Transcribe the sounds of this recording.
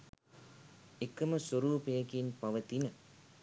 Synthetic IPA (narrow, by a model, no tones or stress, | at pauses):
ekːɐməswɐɾuːpejɐkinpɐʋɐt̪inə